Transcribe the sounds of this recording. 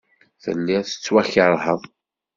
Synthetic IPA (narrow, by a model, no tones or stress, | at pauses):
θə̰lːɪθə̥t͡sːwæçəɾˤhəðˤ